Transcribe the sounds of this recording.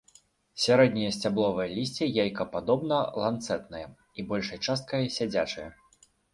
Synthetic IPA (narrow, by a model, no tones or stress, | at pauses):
sʲaɾɛd̪nʲijɐsʲt͡sʲablˠɔvɐjɐlʲisʲt͡sʲijajkɐpad̪ɔbnɐlˠant̪sɛt̪nɐjɐ | ibɔlʲʂɐjt͡ʂast̪̚kɐjɐsʲad͡zʲat͡ʂɐjɐ